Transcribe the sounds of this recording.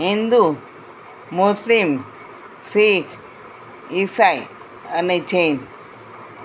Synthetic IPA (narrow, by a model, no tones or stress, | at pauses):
ɦind̪u | muslim | sikʰ | isaj | anet͡ʃen